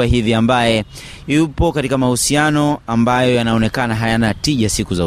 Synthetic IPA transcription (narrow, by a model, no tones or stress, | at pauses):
aɦiviambajɛ | jupɔkatikamahusianɔambajɔjanaɔnɛkanaɦajanatiʄasikuza